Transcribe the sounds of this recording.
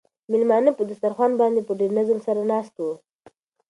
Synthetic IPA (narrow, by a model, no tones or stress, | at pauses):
mɪlmɑnəpəd̪ast̪aɾxwanbɑnd̪epəɖenazəmsaɾanɑst̪wo